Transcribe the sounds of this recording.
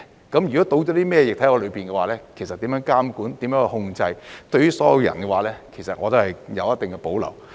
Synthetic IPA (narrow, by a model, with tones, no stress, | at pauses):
kɐ˨˥mjy˨kɔː˨˥t̪o˧wt͡ɕɔ˨˥t̪i˥mɛː˥˧jɪ˨k̚t̪ʰɐ˨˥jŋɔː˧lɵ˨˧ɥpiː˨˩nkɛ˧waː˨˩lɛː˥kʰsɐ˨t̚t̪ːiː˨˥mjœː˨˧˥ŋkaː˥mkuː˨˥nt̪iː˨˥mjœː˨˥˧hʊ˧ŋt͡sɐ˧jt̪ɵ˧ɥy˥sɔː˨˥jɐ˧wjɐ̰˨˩nkɛ˧waː˨lɛː˥kʰe˨˩jsɐ˨t̚ŋɔː˨˧t̪ɐ˨˧whɐ˨˩jjɐ̰˨˧wjɐ˥t̪ɪ˨ŋkɛ˧po˨˥wlɐ̰˨˩w